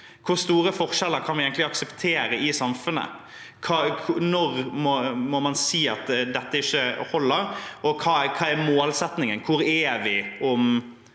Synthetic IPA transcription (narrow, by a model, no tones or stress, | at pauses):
kʰʊɾst̪uːɾəfɔɾʂɛlːəɾkʰɑnʋɪɛɪŋk̪t̪lɪɑksəpt̪ʰeːɾəɪsɑmfʉnə̰ | kʰɑːkʰʊnɔɾmɔmɔmɑnsiːɑt̪d̪ɛt̪ːəɪçːəhɔlːəɾʔɔkʰɑːkʰɑːɛɾmoːlsɛt̪nɪŋənkʰʊɾɛʋɪɔm